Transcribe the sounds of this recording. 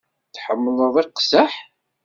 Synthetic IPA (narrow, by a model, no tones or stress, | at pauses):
θħəmːələðˤiqsəħ